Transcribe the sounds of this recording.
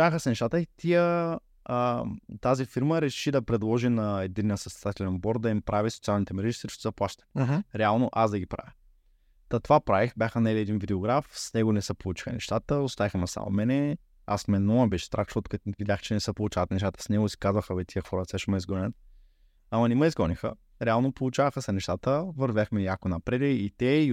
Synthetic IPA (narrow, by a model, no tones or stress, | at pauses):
avəxəsɛnɛʃt̪at̪əit̪iə | ət̪azifiɾməɾɛʃid̪ɐpɾɛd̪lˠɔʒinɐɛd̪inːijəsɐsɛd̪at̪ɛlɛnbɔɾd̪̚d̪ɐimpɾavisot̪sialˠnit̪ɛmɛɾɛʒisɾiʃt̪ɛzɐplˠaʃt̪ə̥ɦɾɛalˠnoʔasd̪ɐɡʲipɾa̰vʲjə | t̪ɐt̪ovapɾavixbʲjaxənɛliɛd̪invid̪ɛoɡɾafsnɛɡonɛsəpolˠut͡ʃi̥xənɛ̰ʃt̪at̪əost̪avixmɐsa̰mo̰mɛnɛ | asmɛnɔɐbɛʃt̪ɾakt͡ʃot̪kət̪vid̪ʲjaxt͡ʃɛnɛsəpolˠut͡ʃavɐt̪nɛʃt̪at̪ə̥snɛɡʊsi̥kazvəxəlit̪ʰiəxɔɾəsɛʃɛmɐizɡɔnʲət̪̚ | amɐnɛməizɡɔnixə̰ | ɾɛalˠnopolˠut͡ʃavəxəsɛnɛʃt̪at̪əvəɾvjaxmɛjakonɐpɾɛd̪ɛit̪ɛi